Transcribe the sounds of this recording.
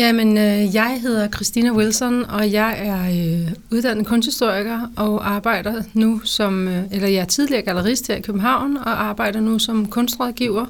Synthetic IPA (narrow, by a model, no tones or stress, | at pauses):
jæmenøjɑ̈ɪɦe̝ð̞ˠɐkʰʁisd̥inæwilsɒnɒ̽jɑ̈ɪæɐøuðˠd̥æn̰ð̩ˠkʰɔ̽nsd̥hisd̥o̝ɐ̰iɡ̥ɐʔɒ̽ʔɑ̈ːb̥ɑ̈ɪ̰d̥ɐnusɒ̽melɐjɑ̈ɪæɐt͡sʰið̞ˠliɐ̰ːɡ̥ælɐʁisd̥heɐikʰøb̥m̩n̩ɦɑ̈ʊ̰nɒ̽ʔɑ̈ːb̥ɑ̈ɪ̰ɾ̥ɐnusɒ̽mkʰɔ̽nsd̥ʁɒðˠɡ̥iʊ̰ɐ